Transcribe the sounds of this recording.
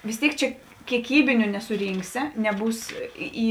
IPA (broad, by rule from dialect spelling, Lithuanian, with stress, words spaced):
ʋʲɪs ˈtʲeːɪk ˈt͡ʃʲɛ kʲiɛˈkʲiːbʲɪnʲʊ nʲɛsʊˈrʲiːŋksʲɪ nʲɛˈbuːs ˈiː